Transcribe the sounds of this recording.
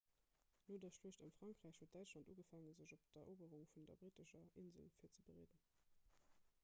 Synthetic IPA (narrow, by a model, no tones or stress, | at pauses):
noːdɐʃluəɕtəmfʁ̥ɑŋkʁ̥æɪɕhuət̚d̥æɪt͡ʃlɑndṵːɡəfaŋəzəʑopd̥ɐʔoːbəʁuŋfundɐ̰bʁitəʃɐʔinzəlfiːɐt͡səbəʁḛːdən